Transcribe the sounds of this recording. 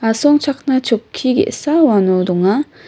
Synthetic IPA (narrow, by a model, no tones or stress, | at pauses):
asoŋt͡ɕʰak̚nat͡ɕokʰːiɡḛsawanudoŋa